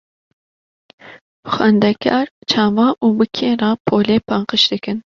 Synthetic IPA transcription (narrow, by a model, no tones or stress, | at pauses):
bɨxɛnd̪ɛkʰɑːɾt͡ʃʰɑːvɑːʔuːbɨkʰeːɾɑːpʰoːleːpɑŋqɨʃd̪ɨkɨn